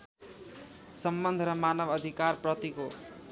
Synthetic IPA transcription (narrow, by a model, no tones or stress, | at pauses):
sʌmbʌnd̪ʱɾʌmanʌbʌd̪ʱikarprʌt̪iko